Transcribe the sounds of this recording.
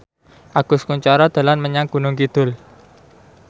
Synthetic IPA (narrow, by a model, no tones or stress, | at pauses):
ʔaɡ̥ʊ̤skuɲt͡ʃaɾɔd̪̥a̤lanməɲaŋɡ̥ṳnʊŋkid̪̥ʊ̤l